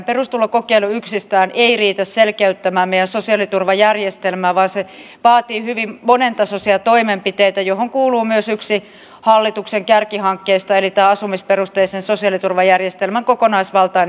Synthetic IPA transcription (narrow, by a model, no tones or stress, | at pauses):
perust̪ulːɑkokeiluyksist̪æːnʔeiriːt̪æsselkeyt̪ːæmæːmmeijænsosiɑlit̪urʋɑjærjest̪elmæːʋɑːnse | ʋɑːt̪iːhyʋimmonent̪ɑsosiɑt̪oimempit̪eit̪æjohoŋkuːluːmyøsyksi | hɑlːit̪ukseŋkærkihɑŋkːeist̪ɑelit̪æːɑsumisperust̪eiseːnsosiɑlit̪urʋɑjærjest̪elmæŋkokonɑisʋɑlt̪ɑin